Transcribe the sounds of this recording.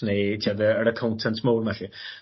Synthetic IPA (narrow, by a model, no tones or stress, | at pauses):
nejtʰiadəəɾəkʰɔwntʰɛntʰmoːvɛɬɪ